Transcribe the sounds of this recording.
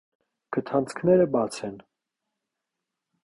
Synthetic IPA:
kʰət̪ʰɑnt͡sʰkʰnɛɾəbɑt͡sʰɛn

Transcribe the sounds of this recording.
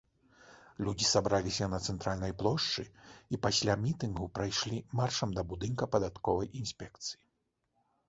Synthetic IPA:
lʲud͡zʲisabɾalʲisʲɐnɐt̪sɛnt̪ɾalʲnɐjplˠɔʂt͡ʂɨipasʲlʲamʲit̪ɨnɣupɾajʂlʲimarʂɐmd̪ɐbud̪ɨnkɐpɐd̪at̪kɔvɐjʔinsʲpʲɛkt̪sɨ̥ji

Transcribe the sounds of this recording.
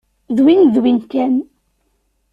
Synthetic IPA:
ðwinðwinkæn

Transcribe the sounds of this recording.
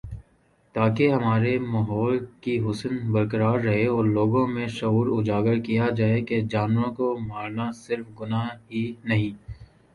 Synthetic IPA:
t̪aːkeɦɐmaːɾemɐɦɔːlkiɦʊsənbɐɾkəɾaːɾːɐɦeɔːɾloːɡõmẽʃɐuːɾʊd͡ʒaːɡəɾkijad͡ʒaːeked͡ʒaːnʋõkomaːɾnasɪɾfɡʊnaɦinɐɦĩː

